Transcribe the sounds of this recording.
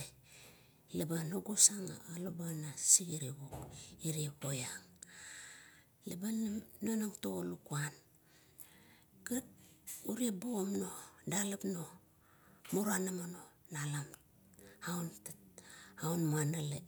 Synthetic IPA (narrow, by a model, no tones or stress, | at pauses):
lebanoɡosaŋa̰alobanasiɡiɾiɡokiɾiekojaŋ | labannonaŋtoolukuan | kat̚uɾiebomnodalapno̞ | muɾanamano̞ | nalam | awntatawnmanale